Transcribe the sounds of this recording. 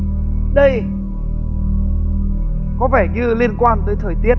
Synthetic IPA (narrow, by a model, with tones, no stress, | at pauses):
ɗə˧j | kɔ˨˦vɛ˧˩ɲɨ˧li˧ənkwaː˧nt̪ɨː˨˩t̪ʰəː˨˩jt̪i˦˥ə